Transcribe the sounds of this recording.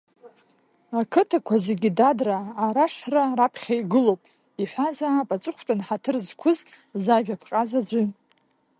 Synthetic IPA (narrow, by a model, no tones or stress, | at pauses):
akʰɨtʰakʷʰaze̞ɡʲidadraːɾaʂrarapʰχʲajɡɨlowpʼ | iħʷazaːpʼat͡sʼɨχʷʰtʷʼanħatʰɨrzkʷʰʊz | zaʒᶣapʰqʼazad͡ʒʷi